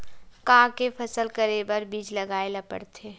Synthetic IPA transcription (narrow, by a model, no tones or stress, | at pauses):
kãːkepʰɐsəlkəɾebəɾbiːd͡ʒlɐɡaːelɐpə̰ɽt̪ʰeː